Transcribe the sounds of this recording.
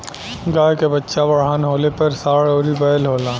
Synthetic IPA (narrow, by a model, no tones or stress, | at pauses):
ɡaːjkebətːʃabɐɽ̤ɦaːnɦoːlepɐɾsaːɽoːɾibɐjəlɦoːlaː